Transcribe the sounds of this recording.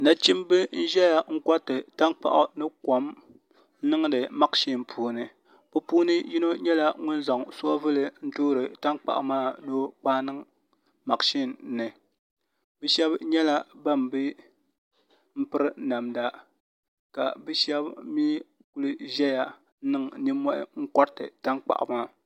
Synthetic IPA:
na˦t͡ʃi˦mbɨ˦n̩˦ʒɛ˦ja˨ŋ̩˦ka˦tɨ˨ta˦nk͡pa̰˨ʔʊ˨nɨ˦kɔ˨m | nɨ˦ŋ˦dɨ˨ma˦kʃi˦˨npʰuː˦nɨ˨ | bɨ˦puː˦nɨ˦ji˦no˦ɲɛ˦la˦ŋʊ˦nza˨ŋsu˦a˦vɨ˦lɨ˨n̩˦toː˦ɾɨ˨ta˦ŋk͡pa̰˨ʔʊ̰˨maː˦˨do˦k͡paː˦nɨ˦ŋ | ma˨kʃi˦nːɨ˨ | bɨ˦ʃɛ˦bɲɛ˦la˦ba˦˨m˨bɨ˦ | m̩˦pɨ˦ɾɨ˦na˨mda˦ | ka̰˨bɨ˦ʃɛ˦bmiː˦ | ku˦lɨ˦ʒɛ˦ja˨˦ | nɨ˦ŋ˨ni˦mːɔ˦ʔɪ̰˦ŋ̩˦kɔ˦ɾtɨ˨ta˦ŋk͡pa̰˨ʔʊ̰˨maː˦˨

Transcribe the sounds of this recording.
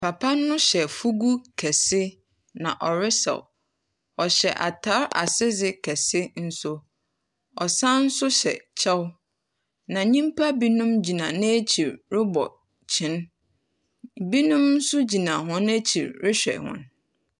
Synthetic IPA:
pʰa˨pʰa˦nːʊ̃˦ɕɛ˨fu˦ɡu˦kʰɛ˨sɪ˦ | nã˨ʔɔ˨ɾɪ˦sa̰˨w | ɔ˨ɕɛ˨ʔa̰˨tʰa˨˦ɾa̰˨sɪ˦zɪ˨kʰɛ˨sɪ˦n̩˦sʊ˦ | ɔ˨sã˦n̩˦sʊ˦ɕɛ̰˨t͡ɕʰa˦w | nã˨ɲĩ˦mpʰa˦bi˦nũ˦md͡ʑi˨nã˨nɪ̃˦e˦t͡ɕʰi˨ɾɾɪ˦bɔ̰˨ | t͡ɕʰɪ̃˨˦n | bi˦nũ˦mn̩˦sʊ˦d͡ʑi˨nã˨ɦɔ̃˦n˦æ˦t͡ɕʰḭ˨ɾɾɪ˦ɕᶣɛ̰˨hʊ̰̃˦˨n

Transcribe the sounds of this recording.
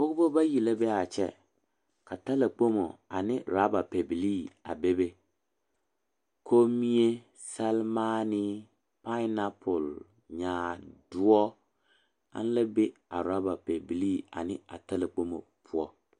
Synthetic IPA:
ʊ˦kʊ˦bo˦ba˦ji˨la˦bɛ˦a˨t͡ʃɛ̰˦ | ka˨ta˦la˨k͡po˦mo̰˨a̰˨nɪ˦ɾa˦ba˨pe˨bi˨li˦˨a̰˨be˦be˦ | kʰo˦mi˦e˦ | sa˦lma˦nɪ˦ | pa˦na˦pʰʊ˨l | ɲaː˨dʊ˦ɔ˦ | a̰˦n˦la˦be˦a̰˨ɾa˦ba˨pɛ˨bi˨li˦a̰˨nɪ̰˦a̰˨ta˦la˨k͡po˦mo̰˨pʰʊ˦ɔ˦

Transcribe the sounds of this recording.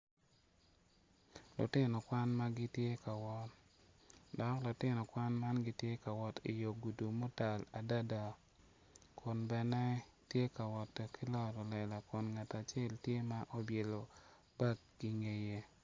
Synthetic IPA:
lʊ̰˨tɪ˦nɔ˨kwa˦nma˦ɡi˦tje˦ka˨wɔ˦ | dɔ˨klʊ˨tɪ˦nɔ˨kwa˦nma˦nɡi˦tje˦ka˨wɔ˨tḭ˨jo˨ɡu˨du˨mo˦ta˨la˨da˦da˨ | kʰʊ˨nbɛ˨nɛ˦ | tje˦ka˨wɔ˨tki˦lɔ˦ɾɔ˨lɛ˨la˨kʊ˨nŋa˨ta˨t͡ʃe˦˨ltje˦ma˦ʔo˦bje˨lo˨ | ba˦kːi˨ŋe˨je˦

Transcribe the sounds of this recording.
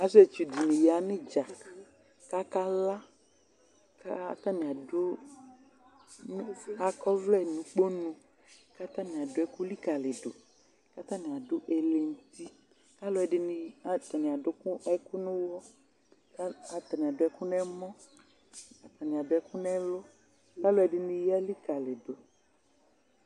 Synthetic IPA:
a˦se˦˨t͡ʃu˨d̪i˨nĩ˨ja˨nĩ˦d͡ʒa˨ | ka˦ka˦la˦ | ka˦t̪ã˦nĩ˨a˨do˦ | n˦a˨kɔ˦vlɛ˦˨nũ˨k͡po˦nũ˦ | ka˦t̪ã˦nĩ˨a˨do˦ɛ˦ku˦li˦ka˨le˨ɖo̰˨ | ka˦t̪ã˦nĩ˨a˨dʊ˦ʔe˨le˨n̩˨˦t̪i˦ | ka˦lʊ˦ɛ˨ɖɪ˨n˨a˨t̪ã˨nĩ˨a˨dʊ˨˦ku˦ɛ˦ku˦nʊ̃˦wɔ˦ | ka˨t̪a˨nĩ˨a˨dʊ˨˦ɛ˦ku˦nɛ̃˦mɔ̃˦ | ka˦t̪ã˨nĩ˨a˨dʊ˨˦ɛ˦ku˦nɛ̃˦lɔ˦ | ka˦lo˦ɛ˨ɖɪ˨nĩ˦ja˦li˦ka˨lɪ˨do˨

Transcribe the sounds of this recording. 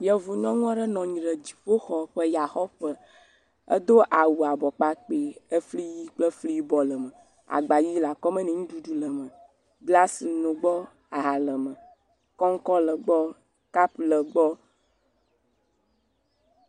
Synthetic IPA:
jɛ˨vu˨ɲɔ̃˦ŋũ˦a˦ɖɛ˦nɔ̃˨ɲĩ˨ɖə˨d͡ʑi̥˨ɸo˦xɔ˨ɸə˦ja˨xɔ˦ɸə˦ | ə̰˦d̪o˦ʔa˨wu˨a˨bɔ˨k͡pa˦k͡pe˨ə˦fli˦ji˦k͡plə˦fli˦ji˦bɔ˨lə˨mə̃˨ | a̰˨ɡ͡ba˨ji˦la˨kɔ˦mẽ˦nɛ̃˨ŋũ˦ɖu˦ɖu˦lə˨mə̃˨ | ɡla˦si˨nõ˨ɡ͡bɔ˦ | a˨ɦa˨lə˨mə˨ | kɔ˦ŋ̩˦kɔ˦lə˨ɡ͡bɔ˦ | ka˦plə˨ɡ͡bɔ˦

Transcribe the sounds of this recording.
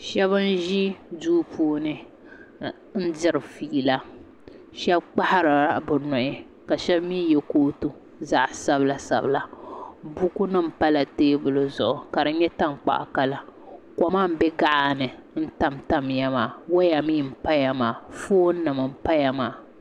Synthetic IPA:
ʃɛ˦βɨ˦n˦ʒi˦duː˦pʰuː˦nɨ˦ | n̩˦dɪ˦ɾɨ˨fiː˦la˦ | ʃɛ˦b̚k͡pa˦ha˦ɾɨ˨˦˨bɨ˨nɔ˨ʔɪ˦ | ka˨ʃɛ˦bmiː˦jɛ˨koː˦tu˦ | za˦ʔsa˦bla˨sa̰˨bla˨bu˦ku˦nɨ˦m̩˨pa˦la˨teː˦bʊ˨lɨ˨zʊ˨ʔʊ˨ka˨ɾɨ˦ɲɛ˦ta˦mk͡pa̰˨ʔka˨la˨kɔ˨ma˦˨m̩˦bɛ˦ɡa˦ʔa˨nɨ˨n̩˦ta˦mta˦mja˦maː˨wa˦ja˨miː˦˨m̩˨pa˦ja˨maː˨foː˦nɨ˨mɨ˨m̩˦pa˦ja˨maː˨

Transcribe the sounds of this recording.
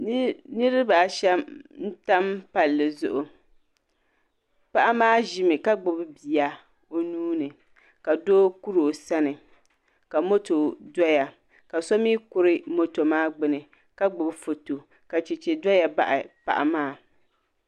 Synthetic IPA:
nɨ˦ɾɪ˦ba˨ʃɛ˦mn̩˦ta˦mpa˨lːɨ˨zʊ̰˨ʔʊ˨ | pa˦ʔa˦maː˦ʒɪ˨mɨ˨ka˦ɡ͡bʊ˨bbi˨ja˨ | o˦nuː˦nɨ˨ | ka˨doː˦ku˦ɾo˨sa˦nɨ˨ | ka˨mo˦to˨dɔ˦ja˨ | ka˨sɔ˦miː˦kʊ˦ɾɪ˦mo˦to˨maː˦ɡ͡bɨ˦nɨ˨ | ka˦ɡ͡bʊ˨bfo˨to˨ | ka˨t͡ʃɛ˨t͡ʃe˨dɔ˦ja˨ba̰˦ʔɪ˨pa̰˨ʔa̰˨maː˦˨

